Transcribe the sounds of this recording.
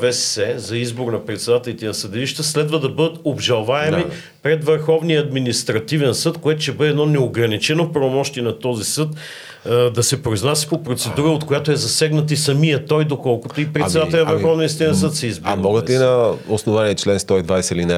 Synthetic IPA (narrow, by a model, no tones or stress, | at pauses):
vɛssɛzɐizboɾnɐpɾɛt̪sɛd̪at̪ɛlit̪ɛnɐsəd̪ɛliʃt̪əslɛd̪vəd̪ɐbɤd̪ət̪obʒɐlˠvaɛmi | pɾɛd̪vəɾxɔvnijəːd̪minist̪ɾɐt̪ivɛnsɤt̪koɛt̪oʊʃɛbɤd̪ɛd̪nɔnɛoɡɾɐnit͡ʃɛnopɾɐvomɔʃt̪iɛnɐt̪ɔzisɤt̪ | d̪ɐsɛpɾoiznasi̥popɾot̪sɛd̪uɾəot̪kojat̪oɛzɐsɛɡnɐt̪isɐmijət̪ɔjd̪okɔlˠkot̪oipɾɛt̪sɛd̪aɛlʲinɐvəɾxɔvniəist̪ivnsət̪sɛizbmmɔɡət̪inɐosnovaniət͡ʃlɛnst̪ɔid̪vajsɛilinɛ